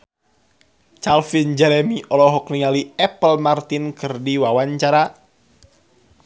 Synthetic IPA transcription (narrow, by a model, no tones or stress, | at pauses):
t͡ʃalfind͡ʒɛɾɛmiʔɔlɔɦɔkniŋaliɛpəlmart̪inkɨrdiwawaɲt͡ʃaɾa